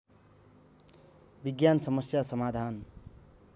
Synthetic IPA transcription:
biɡjansʌmʌsjasʌmad̪ʱan

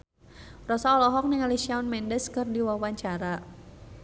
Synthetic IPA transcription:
rɔsaɔlɔɦɔk̚nɪŋalisiaunmɛndəskɨrdiwawaɲt͡ʃaɾa

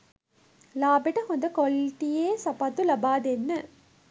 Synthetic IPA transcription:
laːbɛʈːɐkɔnd̪ɐkɔlʈijeːsɐpat̪ːulɐbaːd̪enːɐ

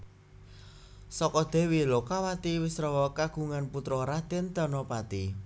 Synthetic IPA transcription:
sɔkɔd̪̥e̤wilɔkawat̪iwɪsɾɔwɔkaɡ̥ṳŋanput̪ɾɔɾad̪̥ent̪ɔnɔpat̪i

